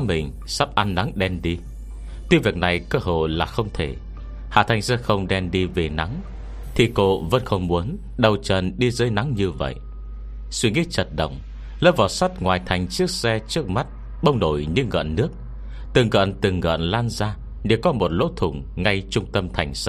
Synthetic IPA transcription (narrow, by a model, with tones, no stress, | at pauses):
mï˨˩ŋ̟ | sa˦˥p̚ʔa˧nːa˨˦ŋɗɛ˧mɗi˧ | t̪i˧vi˨˩ək̚na˨˩jkəː˧ɦo̰˧˨laː˨˩xə˧wŋ͡mt̪ʰe˧˩ | ha̰ː˧˩t̪ʰa˨˩jŋ̟sɛ˧xə˧wŋ͡mɗɛ˧mɗi˧ve˨˩na˨˦ŋ | t̪ʰi˨˩ko̰˧˨və̰˧˥nxə˧wŋ͡mmu˨˦ən | ɗə˨˩wt͡ɕə˨˩nɗi˧zəː˨˦jna˨˦ŋɲɨ˧və̰˧˨jʔ | swi˧əŋi˧˥t͡ɕə˨˩t̚ɗə̰˧˨wŋ͡m | ləː˦˥p̚vaː˨˩sa˦˥t̚ŋwaː˨˩jt̪ʰa˨˩jŋ̟t͡ɕɨ˦˥ək̚sɛ˧t͡ɕɨ˦˥ək̚ma˦˥t̚ | ɓə˧wŋ͡mɗo˧˩jɲɨ˧ɣə̰ː˧˨nːɨ˦˥ək̚ | t̪ɨ˨˩ŋɣə̰ː˧˨nt̪ɨ˨˩ŋɣə̰˧˨nlaː˧nzaː˧ | ɗe˨˧˩kɔ˨˦mo˨˩t̚lo̰˧˥t̪ʰʊ˧˩ŋ͡mŋa˧jt͡ɕʊ˧ŋ͡mt̪ə˧mt̪ʰa˨˩jŋ̟sa˧˦